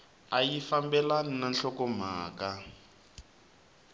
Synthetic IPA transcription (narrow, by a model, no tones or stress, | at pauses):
ajifambɛlaninanɬɔkɔm̤a̰ːka